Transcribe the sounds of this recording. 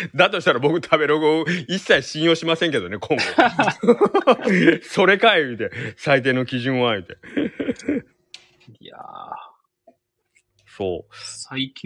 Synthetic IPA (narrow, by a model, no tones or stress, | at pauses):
d̪at̪o̞ɕi̥t̪aɾabo̞kɯ̟t̪ʰabe̞ɾoɡoisːaiɕĩɰ̃jo̞ːɕimasẽ̞ŋke̞d̪onekʰõŋk | so̞ɾe̞kaeit̪e̞sait̪̬e̞ːno̞kʲiʑɨ̃ɰ̃βaɯ̟t̪e̞ | a̰ | so̞̰ːaikʲ